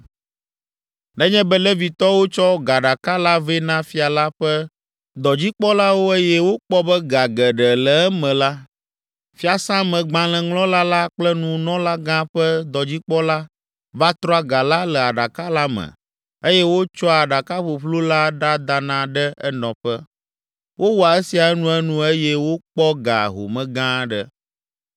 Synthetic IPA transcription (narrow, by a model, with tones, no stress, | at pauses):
nɛ̃˦ɲɛ̃˦bɛ˦lɛ˦vi˨t̪ɔ˦wo˦t͡ʃɔ˦ɡa˨ɖa˨ka˦la˦vɛ˦nã˦fi˦a˨la˦ɸɛ˦ | d̪ɔ˨d͡ʑi˦k͡pɔ˦la˦wo˦e˦jɛ˦wo˦k͡pɔ˦bɛ˦ɡa˨ɡɛ˨ɖɛ˨lɛ˨ɛ˦mɛ̃˨la˦ | fi˦a˨sã˦mɛ̃˨ɡ͡bã˨l̃ɛ̃˨ŋlɔ̃˦la˦la˦k͡plɛ˦nũ˨nɔ̃˦la˦ɡã˦ɸɛ˦d̪ɔ˨d͡ʑi˦k͡pɔ˦la˦ | va˦t̪ɾɔ˦a˦ɡa˨la˦lɛ˨a˨ɖa˨ka˦la˦mə̰̃˨ | e˦jɛ˦wo˦t͡ʃɔ˦a˨ɖa˨ka˦ɸu˨ɸlu˦la˦ɖa˦d̪a˨nã˨ɖə˦ɛ˦nɔ̃˨ɸɛ˦ | wʔo˦wu˦a˨e˦si˨a˨˦nũ˦ɛ˦nũ˦e˦jɛ˦wo˦k͡pɔ˦ɡa̰˨ɦo̰˨mɛ̃˨ɡã˦ɖə˦